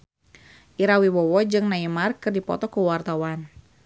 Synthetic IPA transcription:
ʔiɾawiwɔwɔd͡ʒɨŋnaimarkɨrdipɔ̰t̪ɔkuwart̪awan

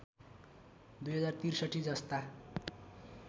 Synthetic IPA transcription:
d̪ujɦʌd͡zart̪irsʌʈʰːid͡zʌst̪a

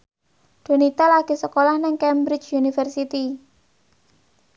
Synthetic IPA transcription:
d̪̥o̤nit̪alaɡ̥i̤səkolahnɪŋkɛmbɾɪt͡ʃjunifərsit̪i

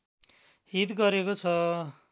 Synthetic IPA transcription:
ɦit̪ɡʌɾekot͡sʰʌ

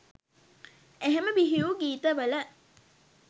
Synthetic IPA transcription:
eɦeməʋiɦiuɡiːt̪əʋələ

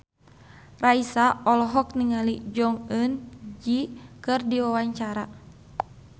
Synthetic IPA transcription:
raisaɔlɔɦɔk̚niŋalid͡ʒɔŋənd͡ʒikɨrdiwawaɲt͡ʃaɾa

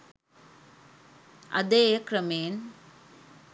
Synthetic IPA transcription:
ʔɐ̰d̪eːjkɾɐmeːn

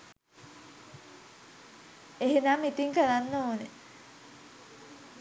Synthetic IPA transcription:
eɦenamit̪iŋkəlanːəoːne

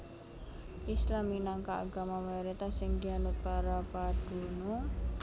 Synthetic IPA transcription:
ʔislaminaŋkaːɡa̤mamajɔɾit̪asɪŋd̪ianʊt̪̚paɾapaɖ̥uno

